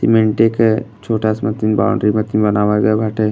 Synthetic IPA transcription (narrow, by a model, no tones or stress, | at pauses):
simẽɳʈekt͡ʃʰoːʈasmɐt̪inba̰ːɳɖɾimɐt̪inbɐnaːʋaɡabʱaʈʰe